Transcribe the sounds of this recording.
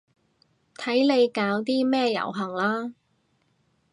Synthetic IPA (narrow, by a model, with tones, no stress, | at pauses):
t̪ʰɐ˨˥jle˨˧jkaː˨˧wt̪iː˥mɛː˥jɐ̰˨˩wɦɐ˨˩ŋlaː˥